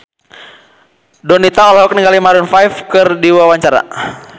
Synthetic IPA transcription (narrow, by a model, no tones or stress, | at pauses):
dɔnit̪aɔlaɦɔk̚niŋɡalimaɾunfajfkɨrdiwawaɲt͡ʃaɾa̰